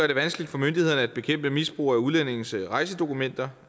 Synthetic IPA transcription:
ɶɐɾ̥e̝ʋænsɡ̥əlid̥fɒ̽mønd̥iheðˠnəæd̥̚b̥e̝kʰem̰b̥əmisb̥ʁṵːæuð̞ˠlen̰e̝ŋn̩sʁɑ̈ɪs̬əd̥o̝kʰumen̰d̥ɐ

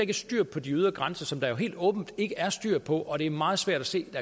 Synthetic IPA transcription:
eɡəsd̥yɐ̰pʰɒ̽d̥iyð̞ˠɐɡ̥ʁansɐsɒ̽md̥ɑ̈jo̝ɦe̝̰ːld̥ɔ̽ːb̥n̩d̥e̝ɡ̥əæɐsd̥yɐ̰pʰɒ̽ʔɒ̽ɾ̥e̝ɐmɑ̈ːð̩ˠsʋæɐ̰d̥æse̝̰ːd̥æ

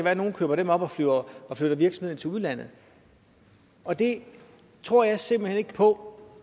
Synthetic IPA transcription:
kæʋæːɐno̝ːn̩kʰøːb̥ɐɾemɒ̽b̥ɒ̽fløɐɒfløɾ̥ɐʋiɐɡ̥smheð̰ˠn̩t͡sʰe̝uðˠlæn̰ð̩ˠ | ɒ̽d̥e̝ | t͡sʰʁo̝ɐ̰jɑ̈ɪse̝mb̥l̩hene̝ɡ̥əpʰɒ̽

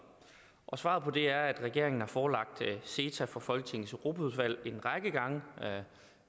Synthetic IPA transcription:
ʔɒ̽sʋɑ̰̈ːð̞̩ˠpʰɒ̽d̥e̝æɐæd̥ʁɛɡ̥e̝ɐ̰e̝ŋn̩hɑ̈fɒːlɑ̈ɡ̥̚d̥se̝ːt͡sʰæfɒ̽fɒ̽lɡ̥ət͡sʰe̝ŋ̩søʁo̝ːbʰæuð̞ˠʋæl̰e̝nʁɑ̈ɡ̥əɡ̥ɑ̈ŋə

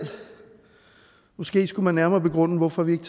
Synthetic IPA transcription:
mɒ̽sɡ̥e̝̰ːsɡ̥umænːæɐmɐːb̥e̝ɡ̥ʁɔ̽n̰əʋɒfɒ̽ʋie̝ɡ̥t͡sʰ

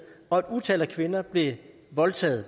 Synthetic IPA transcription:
ɒ̽æd̥ut͡sʰɛ̰lækʰʋe̝nɐb̥le̝ | ʋɒ̽lt͡sʰɛ̰ːð̩ˠ

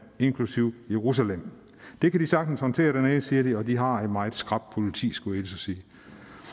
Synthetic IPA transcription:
e̝ŋkʰlusiʊ̰jeʁus̬ælem̰ | d̥e̝kʰæd̥isɑ̈ɡ̥̚d̥n̩shɒ̽nt͡sʰe̝̰ːɐɾ̥eneːsiːɐd̥iɒ̽d̥iɦɑ̈enmɑ̈ːɪðˠsɡ̥ʁɑ̈b̥̚pʰo̝lit͡sʰḭːsɡ̥ɔed̥sɒsiː

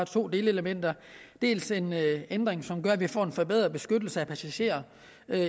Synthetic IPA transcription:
ɑt͡sʰo̝̰ːd̥e̝ːləeləmen̰d̥ɐ | d̥e̝̰ːlse̝nend̥ʁeŋsɒ̽mɡ̥ɶɐæʋifɒ̰ːe̝nfɒ̽b̥eð̰ˠʁɐb̥e̝sɡ̥ød̥l̩səæpʰæsæɕe̝̰ːɐ

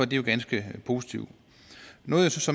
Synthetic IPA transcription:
ɒ̽d̥ijo̝ɡ̥ænsɡ̥əpʰo̝ːsit͡sʰḭʊ̰ | nɔ̽ːð̩ˠjo̝sɒ̽sɒ̽m

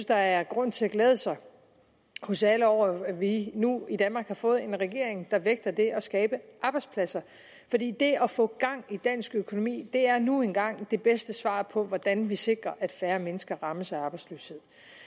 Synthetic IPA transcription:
d̥ɑ̈æɐɡ̥ʁɔ̽n̰t͡sʰe̝æɡ̥lɛːð̞ˠəsɑ̈ɪ | hɔ̽sæləɒʊ̰ɐʋinuid̥ænmɑ̈ːɡ̥hɑ̈fɔ̽ːð̞̩ˠe̝nʁɛɡ̥e̝ɐ̰eŋd̥ɑ̈ʋeɡ̥̚d̥ɐd̥e̝ʔɒ̽sɡ̥ɛːb̥əʔɑ̈ːb̥ɑ̈ɪd̥spʰlæsɐ | fɒ̽d̥ḭːd̥e̝ɒfɔ̰̽ːɡ̥ɑ̈ŋ̰id̥æn̰sɡ̥økʰo̝no̝mḭːd̥e̝æɐnuenɡ̥ɑ̈ŋ̰d̥e̝b̥esd̥əsʋɑ̰̈ːpʰɒ̽ʋɒd̥ænʋise̝ɡ̥ʁɐʔæd̥fæːɐmenəsɡ̥ɐʁɑ̈məsɑ̈ɪɑ̈ːb̥ɑɪd̥slø̰ːshe̝ð̞̰ˠ

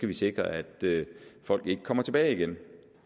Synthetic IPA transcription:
kʰæʋise̝ɡ̥ʁɐæd̥øfɒ̽l̰ɡ̥e̝ɡ̥ə̥kʰɒ̽mɐt͡sʰe̝b̥ɛːɪiɡ̥en

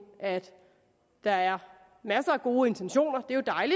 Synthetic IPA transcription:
ʔæd̥ | d̥ɑ̈æɐ | mæsɐæɡ̥o̝ːe̝nt͡sʰenɕo̝̰ːnɐd̥e̝jo̝d̥ɑ̈ɪli

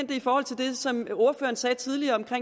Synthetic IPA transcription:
n̰d̥əifɒːhɒl̰t͡sʰe̝ld̥e̝sɒ̽mo̝ɐfø̰ːɐnsɛːt͡sʰið̞ˠliɐɒ̽mkʰʁe

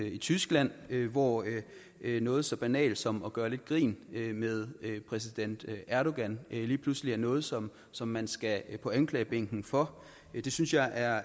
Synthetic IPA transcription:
it͡sʰysɡ̥læn̰ʋɒ | nɔ̽ːð̩ˠsɒ̽b̥ænɛ̰ːld̥sɒ̽mɒ̽ɡ̥ɶːɐle̝d̥ɡ̥ʁḭːnømeð̞ˠpʰʁɛs̬id̥en̰d̥æɐɾo̝ɡ̥ænliːpʰlusliæɐnɔ̽ːð̞̩ˠsɒ̽m | sɒ̽mːænsɡ̥æpʰɒ̽ænkʰlɛ̰ːɪb̥eŋ̰ɡ̥n̩fɒ̽ | d̥e̝synsjɑ̈ɪʔæɐ

